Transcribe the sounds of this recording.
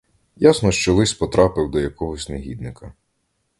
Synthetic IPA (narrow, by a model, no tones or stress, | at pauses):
jasnɔʃt͡ʃɔlˠɪsʲpɔt̪ɾɑpɪwd̪ɔjɐkɔɦɔsʲneɦʲid̪nɪkɐ